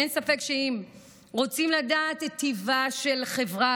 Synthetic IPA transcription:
ensafe̞kʃeim | ʁo̞t͡simladaːt̪et̪ːivaʃe̞lχe̞vʁa

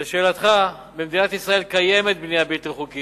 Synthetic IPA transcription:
eʃeːlat̪χa | bemd̪inat̪isʁae̞lkaje̞me̞t̪̚bnijabilt̪ʁeχuki

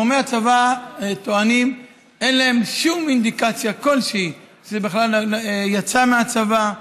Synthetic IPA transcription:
omeat͡savat̪oanim | ʔenlaemʃumind̪ikat͡sjako̞lʃei | ʃebeχlaljat͡sameat͡sava

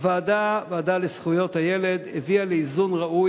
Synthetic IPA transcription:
vaːd̪avaːd̪alesχujo̞t̪hajele̞d̪evialeizunʁaʔu

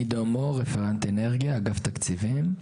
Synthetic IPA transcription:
id̪omoʁefeʁant̪eneʁɡjaɡaft̪akt͡sivim

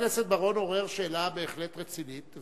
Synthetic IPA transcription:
lesetbaʁo̞no̞ʁeʁʃeːlabe̞ːχlet̪ʁet͡sinit̪

